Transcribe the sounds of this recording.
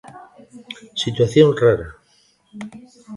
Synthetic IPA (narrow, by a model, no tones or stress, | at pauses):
sit̪waθjonraɾa